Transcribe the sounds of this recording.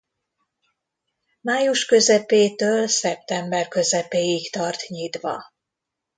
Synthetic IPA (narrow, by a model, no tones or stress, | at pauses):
maːjuʃkø̞zɛpeːt̪øːlsɛp̚t̪ɛmbɛrkø̞zɛpeːjikt̪ɒrt̪ɲit̪ʋɒ̰